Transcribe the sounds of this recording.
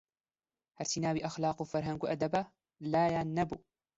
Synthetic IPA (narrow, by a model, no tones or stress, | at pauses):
haɾsinaːwiʔaxlɑːqwfaɾˤɦaŋɡuʔad̪aba | laːjanːabu